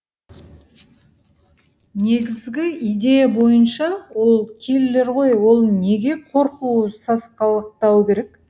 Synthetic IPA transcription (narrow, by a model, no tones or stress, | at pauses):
ne̞ɡʲɪzɡʲɪijd̪e̞jabo̞jənʃɑwo̞lˠkʲʰe̞lle̞ɾʁo̞jwo̞lˠne̞ɡʲe̞qʰo̞ɾquwəsɑsqɑlˠəq̚t̪ɑwkʲe̞ɾe̞k